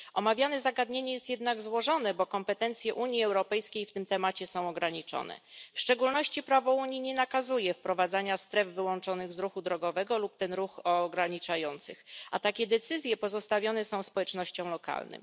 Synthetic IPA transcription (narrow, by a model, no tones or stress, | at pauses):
ʔɔmavʲjanɛzaɡad̪ɲeɲɛjɛst̪jɛd̪naɡzwɔʐɔn̪ɛbɔkɔmpɛt̪ɛnt̪sʲjɛʔuɲjiɛwɾɔpɛjskʲejft̪ɘmt̪ɛmat͡ɕɛsɔ̃w̃ɔɡɾaɲit͡ʂɔ̰nɛ̰fʂt͡ʂɛɡulnɔɕt͡ɕipɾavɔuɲiɲɛnakazujɛfpɾɔvad̪zaɲast̪ɾɛvːɘwɔnt͡ʂɔnɘɣzɾuxud̪ɾɔɡɔvɛɡɔlup̚t̪ɛnɾuxɔɡɾaɲit͡ʂajɔnt̪sɘxat̪akʲɛd̪ɛt̪sɘzʲjɛpɔzɔst̪avʲjɔnɛsɔ̃w̃spɔwɛt͡ʂnɔɕt͡ɕɔ̃w̃lɔka̰lnɘ̰m